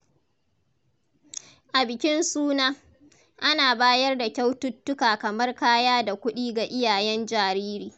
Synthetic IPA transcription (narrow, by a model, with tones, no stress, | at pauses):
ʔa˨bɪ˨kʲɪ˦nsuː˦naː˦ | ʔa˦naː˨baː˦jɐ˦rda˨kʲa˦wtʊ˦tːʊ˦kaː˨kɐ˨mɐ˦rkaː˦jaː˦da˨kʷʊ˦ɗiː˦ɡa˨ʔɪ˦jaː˨jɛ˦nd͡ʒaː˨ɾiː˦ɾiː˨